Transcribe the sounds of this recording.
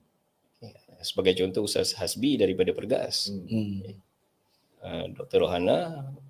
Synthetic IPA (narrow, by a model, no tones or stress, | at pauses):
jasəbaɡajt͡ʃɔnt̪ɔhusa̰shasbidaɾipadapərɡa̰sja | əmdɔk̚t̪ərɾoɦana